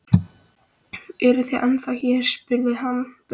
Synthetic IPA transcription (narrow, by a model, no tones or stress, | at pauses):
ɛɾʏθiʔanθaçɛɾ̥spʏɾðɪɦan